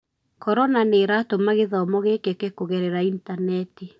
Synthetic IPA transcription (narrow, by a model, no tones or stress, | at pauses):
kɔɾɔnaneɾatomaɣeðaɔmɔɣekekekoɣɛɾeɾaintanɛti